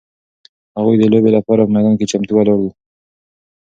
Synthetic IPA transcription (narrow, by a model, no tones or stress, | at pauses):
haɣujd̪əlobelapɑɾapəmad̪ɑnket͡ʃamt̪uwaloɽd̪u